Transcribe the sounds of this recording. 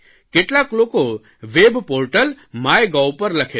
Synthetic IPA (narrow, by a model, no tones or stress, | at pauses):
keʈlakloko | ʋebpoːɾʈəl | maːjɡawpəɾlɐkʰe